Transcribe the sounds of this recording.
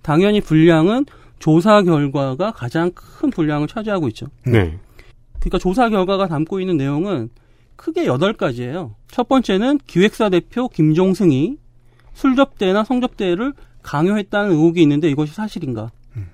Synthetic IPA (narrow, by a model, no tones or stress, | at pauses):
taŋjʌɲipuʎːaŋɯn | t͡ɕos̬ʰaɡjʌɭɡwaɡakad͡ʑaŋkʰɯnpuʎːaŋɯɭt͡ɕʰad͡ʑeɦaɡoit̚t͡ɕ͈onḛ | kɯɲik͈at͡ɕos̬ʰaɡjʌɭɡwaɣatamk͈oinːɯnːe̞joŋɯn | kʰɯɡe̞jʌdʌɭk͈ad͡ʑie̞jot͡ɕʰʌt̚p͈ʌnt͡ɕ͈e̞nɯnkiwe̞k̚s͈ade̞pʰjokimd͡ʑoŋsʰɯŋi | sʰuɭd͡ʑʌp̚t͈e̞nasʰʌŋd͡ʑʌp̚t͈e̞ɾɯɭkaŋjoɦe̞t̚t͈anɯnɯuɡiːnːɯnde̞iɡʌɕ̬ʰisʰaɕʰiɾinɡa